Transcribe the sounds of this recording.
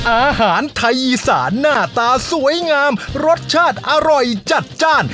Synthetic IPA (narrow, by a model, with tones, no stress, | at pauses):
ʔaː˧haː˩˦nt̪ʰa˧jʔiː˧sa̰ː˩˦nːaː˥˩t̪aː˧su˩˦əjŋaː˧mɾo˦˥t̪̚t͡ɕʰaː˥˩t̪̚ʔa˧ɾɔ˨˩jt͡ɕa˨˩t̪̚t͡ɕaː˥˩n